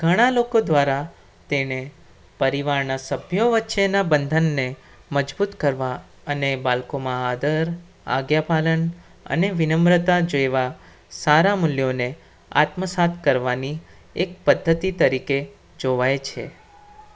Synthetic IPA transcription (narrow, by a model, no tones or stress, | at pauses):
ɡ̥ʱəɽ̃alokod̪ʋaɾa | t̪ene | pəɾiʋaɾnasəbʱjoʋətːʃenabənd̪ʱənːe | məd͡ʒbut̪kəɾʋa | ənebalkomãad̪əɾ | a̰ɡjapalən | ə̰neʋɪnəmɾət̪ad͡ʒojʋa | saɾamʊljone | a̰t̪məsat̪ʰkəɾʋani | ek̚pəd̪ʱːət̪it̪əɾike | d͡ʒoʋajt͡ʃʰḛ